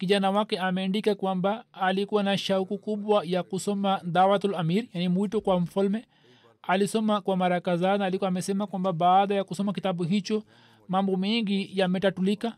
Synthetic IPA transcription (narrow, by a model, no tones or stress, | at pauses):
kiʄanawakɛamɛːndikakwambaːlikuwanaʃaukukuɓwajakusɔmaðawatulamiɾijanimwitɔkwam̩falmɛ | alisɔmakwamaɾakazanaːlikwamɛsɛmakwambaɓaːɗajakusɔmakitaɓuɦit͡ʃɔ | mambɔmɛŋɡijamɛtatulika